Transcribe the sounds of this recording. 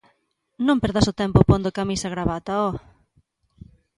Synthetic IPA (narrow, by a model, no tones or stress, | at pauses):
nõmpeɾðasʊt̪ɛmpʊpõnd̪ʊkamisɐɣɾaβat̪ɐɔ